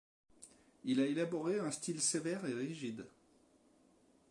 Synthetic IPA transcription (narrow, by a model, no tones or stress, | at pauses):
ilaelabɔʁeɛ̃st̪ilsevɛʁeʁiʒid̪